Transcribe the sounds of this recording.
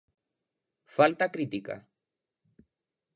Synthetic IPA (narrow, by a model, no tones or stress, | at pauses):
falt̪akɾit̪ika̰